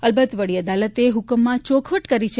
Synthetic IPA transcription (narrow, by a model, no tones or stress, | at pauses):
əlbət̪ʋəɽiəd̪alət̪eɦʊkəmːãt͡ʃokʰʋəʈkəɾit͡ʃʰe